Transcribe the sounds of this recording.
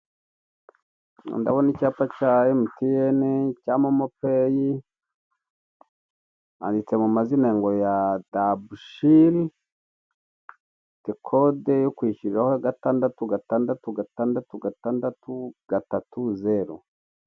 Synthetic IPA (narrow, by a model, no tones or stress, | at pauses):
ndaβonicaːpacaːjemutijenecaːmomopeji | a̰ndit͡se̞mumazine̞ːŋɡojadabuʃiɾi | tekʰodejokwiːʃuɾiɾahoaɡataːndatuɡataːndatuɡataːndatuɡataːndatuɡ̥atatuze̞ɾo̰